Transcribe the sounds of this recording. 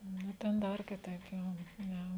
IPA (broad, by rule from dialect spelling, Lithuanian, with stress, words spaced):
nʊ ˈtʲɛn ˈdɐr kʲɪˈtɐɪp ˈjoː ˈnʲɛ